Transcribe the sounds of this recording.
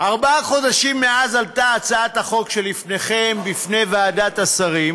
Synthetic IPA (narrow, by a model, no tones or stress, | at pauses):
aʁbaaχo̞d̪aʃimːeazaltaːt͡saat̪aχo̞kʃe̞lːifne̞χe̞mbifne̞jvaːdat̪asaʁim